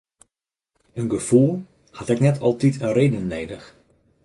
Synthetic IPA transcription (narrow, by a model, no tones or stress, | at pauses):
ənɡəv̥ulˠ | hɑtɛknɛtʰɑlˠtitʰənreːdənːeːdəx